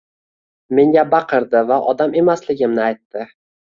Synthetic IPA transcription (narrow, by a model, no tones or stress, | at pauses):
me̞ŋɡʲabɑqʰɨɾd̪ɪvaʔɒd̪ame̞maslɪɡʲɪmnɪajt̪ːɪ